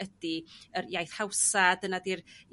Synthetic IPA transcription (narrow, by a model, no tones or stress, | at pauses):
ədiərjajθhawsadənadir